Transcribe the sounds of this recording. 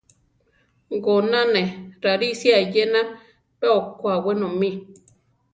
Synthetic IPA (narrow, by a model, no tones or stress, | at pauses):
ɡonãnẽɾaɾisjajenã | peokʷawenõmĩ